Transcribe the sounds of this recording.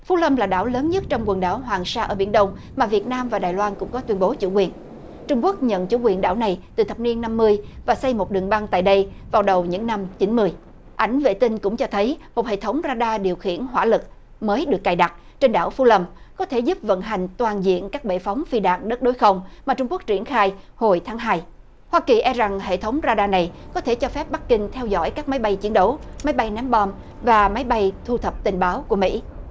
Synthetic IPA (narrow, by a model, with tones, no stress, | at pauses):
fu˨˦˥lə˧mlaː˨˩ɗaː˧˩wləː˨˦nɲə˦˥t̚t͡ɕɔ˧wŋ͡mkwə˨˩nɗaː˧˩wɦwaː˨˩ŋsaː˧ʔəː˧˩ɓi˧˩ənɗə˧wŋ͡m | maː˨˩vi˨˩ət̚naː˧mvaː˨˩ɗaː˨˩jlwaː˧nkʊ̰˧˥ŋ͡mkɔ˨˦t̪wi˧ənɓo˨˦t͡ɕṵ˧˩kwi˨˩ən | t͡ɕʊ˧ŋ͡mku˦˥ək̚ɲə̰˧˨nt͡ɕṵ˧˩kwi˨˩ənɗa̰ː˧˥˩wna˨˩jt̪ɨ˨˩t̪ʰə˨˩p̚ni˧ənːa˧mːɨ˧əjvaː˨˩sa˧jmo˨˩t̚ɗɨ˨˩əŋɓa˧ŋt̪a̰ː˧˨jɗə˧jvaː˨˩wɗə˨˩wɲɨ̰˧˥ŋna˧mt͡ɕi˨˦nmɨ˧əj | ʔa˧˩jŋ̟vḛ˧˨t̪ï˧ŋ̟kʊ̰˧˥ŋ͡mt͡ɕɔ˧t̪ʰə˨˦jmo˨˩t̚hḛ˧˨t̪ʰə˨˦wŋ͡mzaː˧ɗaː˧ɗi˨˩əwxḭ˧˨ənɦwaː˧˥lɨ˨˩k̚ | məː˨˦jɗɨ˨˩əkːaː˨˩jɗa˨˩t̚ | t͡ɕe˧nɗa̰ː˧˩wfu˧˦lə˧˩mkɔ˨˦t̪ʰe˧˩zu˦˥p̚və̰˧˨nɦa˨˩jŋ̟t̪waː˨˩nzḭ˧˨ənkaː˦˥k̚ɓḛ˧˨fa˨˦wŋ͡mfi˧ɗa̰ː˧˨ŋɗə˦˥t̚ɗo˨˦jxə˧wŋ͡mmaː˨˩t͡ɕʊ˧ŋ͡mku˦˥ək̚t͡ɕi˧˩ənxaː˧jho˨˩jt̪ʰaː˨˦ŋɦaː˧j | hwaː˧ki˨˩ʔɛ˧za˨˩ŋɦḛ˧˨t̪ʰə˨˦wŋ͡mzaː˧ɗaː˧na˨˩jkɔ˨˦t̪ʰe˧˩t͡ɕɔ˧fɛ˦˥p̚ɓa˦˥k̚kï˧ŋ̟t̪ʰɛ˧wzɔ̰˧˥jkaː˦˥k̚ma˨˦jɓa˧jt͡ɕi˨˦ənɗə˨˦wma˨˦jɓa˧jnɛ˨˦mɓɔ˧m | vaː˨˩ma˨˦jɓa˧jt̪ʰu˧t̪ʰə˨˩p̚t̪ï˨˩ŋ̟ɓaː˨˦wku˧˩əmḭ˧˥